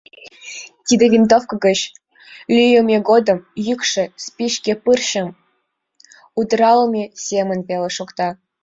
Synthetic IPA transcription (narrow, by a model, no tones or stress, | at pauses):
t̪ʲid̪ʲevʲint̪ofkɤ̆ɡə̆t͡ɕ | lʲyjəmʲeɡod̪ɤ̆mjykʂɘ̆spʲiʃkʲepɨrɕə̆m | ud̪ɾɑlˠɤmʲesʲemə̆npʲelʲĕʃukt̪ɑ